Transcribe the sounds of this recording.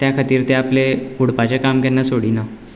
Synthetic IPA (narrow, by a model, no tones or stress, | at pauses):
t̪jakʰat̪iːɾt̪eapleuɽpat͡ɕakamkanːasoɽina